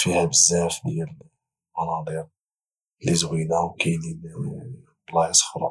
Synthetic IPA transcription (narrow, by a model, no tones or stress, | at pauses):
fihæbəzːæfd̪jæl | mɑnɑd̪ˤiɾ | lizwinæwkæjnin | blɑsˤə̥xɾˤɑ̰